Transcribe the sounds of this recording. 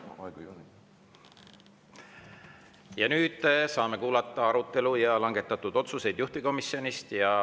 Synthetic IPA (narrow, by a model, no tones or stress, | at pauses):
ɑɡ̥uo | jɑnyːd̪̥sɑːme̞kuːlɑt̪ːˑɑɑɾut̪ːˑe̞lujɑlɑŋɡe̞t̪ːˑɑt̪ːˑud̪̥o̞t̪suse̞jd̪̥juht̪iko̞misio̞nist̪jɑ